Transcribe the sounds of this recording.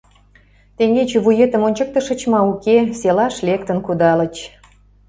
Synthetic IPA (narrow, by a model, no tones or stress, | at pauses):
t̪eŋet͡ɕeβujet̪əmonʲt͡ɕə̆k̚t̪ə̆ʃə̆t͡ɕmɑukeselɑʃlekt̪ənkud̪ɑlə̆t͡ɕ